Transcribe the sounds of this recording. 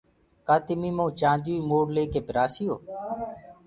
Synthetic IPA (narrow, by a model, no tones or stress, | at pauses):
kaːt̪ɪmiːmõːt͡ʃãːnd̪juːiːmoːɽleːkeːpɪɾaːsɪjoː